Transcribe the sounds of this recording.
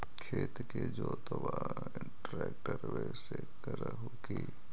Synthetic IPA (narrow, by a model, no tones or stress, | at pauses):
kʰeːt̪ked͡ʒoːt̪əʋa | ɪɳʈɾɛːk̚ʈəɾʋese | kəɾɦoki